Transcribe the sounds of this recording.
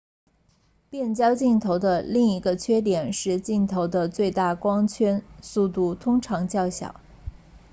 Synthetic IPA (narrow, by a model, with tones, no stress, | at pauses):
pjɛ˥˩nt͡ɕjɑ˥ʊt͡ɕi˥˩nt̪ʰo˧˥ʊd̪ə˧li˥˩ŋi˧˥ɡə˧t͡ɕʰɥɛ˥t̪̬jɛ˨˩nʂɻ̩˥˧t͡ɕi˥˩nt̪ʰo˧˥ʊd̪ə˧t͡swe˥˧ɪt̪a˥˩kwɑ˥ŋt͡ɕʰɥɛ˥nsu˥˧t̪u˥˩t̪ʰʊ˥ŋʈ͡ʂʰɑ˧˥ŋt͡ɕjɑ˥˩ʊɕjɑ̰˨˩˦ʊ